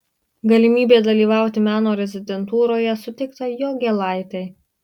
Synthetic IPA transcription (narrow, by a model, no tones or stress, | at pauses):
ɡɐlʲɪmʲiːbʲeːd̪ɐlʲiːʋɑˑʊt̪ʲɪmʲæːnoːɾʲɛzʲɪd̪ʲɛnt̪uːɾoːjɛsʊt̪ʲɪkt̪ɐjoːɡʲɛlˠɑˑɪt̪ɐɪ